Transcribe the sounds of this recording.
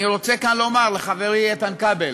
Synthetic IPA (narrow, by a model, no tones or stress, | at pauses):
iʁo̞t͡sekanlo̞maʁleχaveʁijet̪ankabel